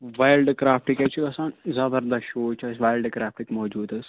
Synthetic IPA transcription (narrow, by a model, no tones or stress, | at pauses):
ʋaːjlɖkɾaːfʈikajt͡ʃʰikɐsaːnzɐbəɾd̪ɐʃoːt͡ʃasʋaːjlɖkɾaːfʈikmɔːd͡ʒuːd̪ɐs